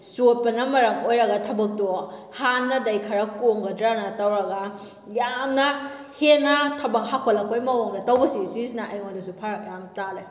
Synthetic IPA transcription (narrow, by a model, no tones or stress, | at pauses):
sot̚pɐnɐmɐɾɐmojɾɐɡɐtʰɐbɐk̚to | hanːɐdɐjkʰɐɾɐkoŋɡɐdɾanɐtɐwɾɐɡɐ | jamnɐ | henɐtʰɐbɐŋhakʰolɐkojmɐwoŋdɐtɐwbɐsisisnɐɐjŋondɐsupʰaɾɐk̚jamtale